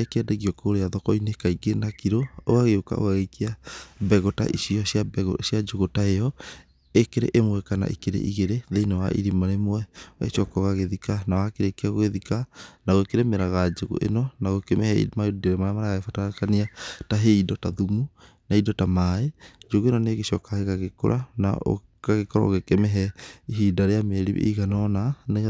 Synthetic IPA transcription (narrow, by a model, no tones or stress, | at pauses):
ekeɛdeɣiɔkoɾeaðɔkɔinekaiɡenakiɾooaɣeoka̰o̰ɣaɣekiabɛɣota̰ʔiʃiɔsjabɣosiad͡ʒoɣotaejɔ | ekeɾḛʔemwɛkana̰ʔikeɾḛʔḭɣeɾeðeinawa̰ʔḭɾimaɾemwɛwa̰etɔkɔɣaɣeðikanawakeɾekeaɣoɣeðikanaɣoekeɾemeɾaɣad͡ʒeɣṵʔḛnɔnaɣokɛmɛhɛḭmaudaɾemaɾamaɾaɣaɣefatakaniataɦeidɔtaðumu | naidɔtamaed͡ʒoɣuenɔneːɣeʃɔkaɣeɣaɣeko̰ɾʔa̰na̰o̰ | kaɣekɔɾɔ̰oɣekɛmɛɦɛiɦidaɾeameɾiḛiɣanɔnaneɣ